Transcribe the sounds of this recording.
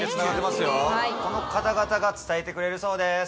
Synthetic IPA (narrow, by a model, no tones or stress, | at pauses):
sɨnaɡat̪ːemasɨjoaiko̞no̞kat̪aɡat̪aɡat͡sɨ̥t̪aet̪e̞kɯ̟ɾe̞ɾɯ̟so̞ːd̪es